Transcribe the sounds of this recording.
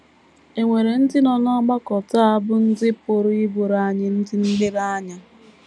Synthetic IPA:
e˨ŋʷe˨ɾe˨n̩˦dɪ˦nɔ˨nɔ˦ɡ͡ba˦kɔ˨ta˦a˦bʊ˦n̩˦dɪ˦po˦ɾɪ˦bo˨ɾa˨˦˨ɲɪ˦n̩˦dɪ˦n̩˦lɪ˦ɾa˦ɲa˦

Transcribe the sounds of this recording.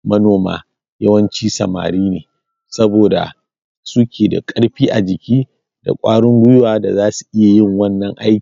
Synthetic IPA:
mɐ˦noː˨ma̰ː˨ | jɐ˦wɐ˦nt͡ʃiː˦sɐ̰˨ma̰ː˨ɾiː˦neː˨ | sɐ˦boː˨da̰˨ | su˦kʲeː˨da̰˨kʼɐ˦ɽɸiː˦ʔa˨d͡ʒɪ˨kʲiː˦ | d̥a̰˨kʷʼaː˦ɽʊ˦ŋɡʷʊ˦jʊ˦waː˨da˨zaː˦su̥˨ʔɪ˦ja˨jɪ˦˨ŋwɐ˦nːɐ˨ŋʔa˦jkː

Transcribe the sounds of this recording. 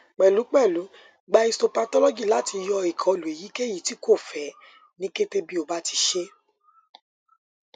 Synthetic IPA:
k͡pɛ˨lu˨˦k͡pɛ˦˨lu˨˦ | ɡ͡ba˧˦i˧sto˧pa˧tɔ˦lɔ˦ɡi˦˨la˨˦ti˧jɔ˧i˨kʰɔ̃˨o˨lu˨e˨ji˨˦ke˦ji˦˨ti˨˦ko˦˨fɛ˨ | nĩ˦ke˦te˦bi˦o˨ba˦ti˧ʃe˦

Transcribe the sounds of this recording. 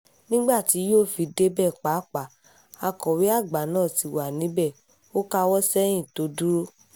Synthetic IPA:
nĩ˦ɡ͡ba˦˨ti˨˦joː˦˨fi˨˧de˦bɛ˦˨k͡pa˨˦k͡pa˨˦ | a˧kɔ˨wi˨˦a˦˨ɡ͡ba˨˦nãː˦˨ti˨wa˨nĩ˨˦bɛ˦˨ | o˦ka˦wɔ˦sɛ˦j̃ĩ˦˨to˨˦du˦ɾo˦

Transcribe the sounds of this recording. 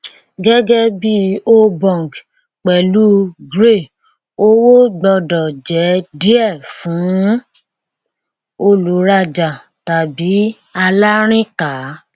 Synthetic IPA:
ɡɛ˦ɡɛ˦bi˦o˦bɔ̃˨ɡ | k͡pɛ˨lu˦ɡɾe˦˨ | o˦wo˦ɡ͡bɔ˧dɔ˨d͡ʒɛ˨˦di˦ɛ˦˨fũ˨˦ | o˧lu˨˦ɾa˦d͡ʒa˨ | ta˨bi˨˦ | a˧la˦ɾ̃ĩ˦ka˨˦

